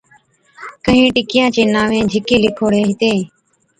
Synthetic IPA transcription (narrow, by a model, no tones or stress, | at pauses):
kəɦĩːʈɪkɪjãːt͡ʃeːnaːʋẽːd͡ʒʱɪkeːlɪkʰoːɽeːɦɪt̪eː